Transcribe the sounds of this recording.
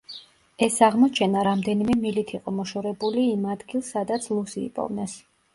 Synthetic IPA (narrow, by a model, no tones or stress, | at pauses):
ɛsaʁmɔt͡ʃʰɛnaɾamd̪ɛnimɛmilit̪ʰiqʼɔmɔʃɔɾɛbuliːmad̪ɡilˠsːad̪at̪sʰlˠusḭːpʼɔ̰vnɛs